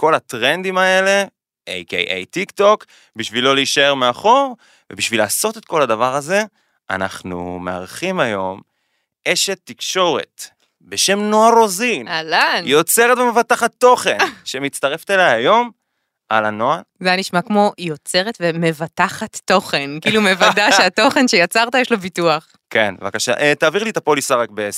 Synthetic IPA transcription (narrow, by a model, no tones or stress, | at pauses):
ko̞lat̪ʁe̞nd̪imae̞le̞ | ʔḛjkḛjʔḛjt̪ikt̪o̞k | biʃvilo̞liiʃae̞ʁmeaχo̞ʁ | vebiʃvilaːso̞t̪e̞t̪̚ko̞ladavaʁaze̞ | a̰na̰χnṵmea̰ʁχimajo̞̰m | e̞ʃe̞t̪ːikʃo̞ʁe̞̰t̪ | be̞ʃe̞mnoaʁo̞zinalanjo̞t͡se̞ʁet̪vemevat̪aχat̪ːo̞χe̞nʃemit͡st̪aʁeft̪elajajo̞m | ʔalano̞azejaniʃmakmo̞jo̞t͡se̞ʁet̪veme̞vat̪aχatːo̞χe̞nkiiːlumevadaʃeat̪o̞χe̞nʃejat͡saʁt̪ajeʃlobituaχ | ke̞n̰vakaʃa̰ʔet̪aːviʁlit̪apo̞lisaʁakbees